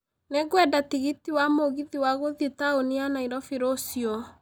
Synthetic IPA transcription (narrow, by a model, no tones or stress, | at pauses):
neɡwɛdatiɣitiwamoɣiðiwaɣoðjetaonianaiɾɔfiɾosiɔ